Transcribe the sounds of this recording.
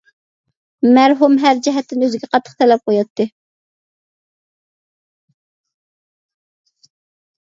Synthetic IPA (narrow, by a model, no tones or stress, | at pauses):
mæɾɦumɦæɾd͡ʒɛɦɛt̪ːɪnøzɪɡʲɛqʰɑt̪ʰːə̥χt̪ʰɛlɛp̚qʰojɑt̪ʰːɨ